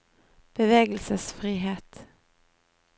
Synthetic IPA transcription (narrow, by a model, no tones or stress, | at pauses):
b̥əʋeːɡəlsəsfʁiːɦeːt̪